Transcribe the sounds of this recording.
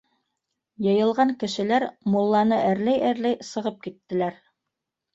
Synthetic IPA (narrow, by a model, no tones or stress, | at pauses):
jɤ̆jɤ̆lˠʁɑŋkɘ̆ʃɘ̆læɾmulˠːɑnɤʔæɾlæjæɾlæjsɤ̆ʁɤp̚kit̪ːɘ̆læɾ